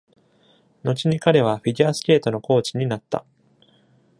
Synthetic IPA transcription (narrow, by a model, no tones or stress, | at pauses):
no̞t͡ɕiɲ̟ikaɾe̞β̞aɸiɡʲiasɨ̥kʲe̞ːt̪o̞no̞ko̞ːt͡ɕiɲ̟inat̪ːa̰